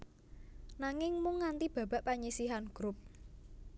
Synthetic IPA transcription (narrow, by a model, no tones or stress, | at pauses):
naŋɪŋmʊŋːant̪ib̥ä̤b̥a̤ʔpaɲisiɦanɡ̥ɾup̚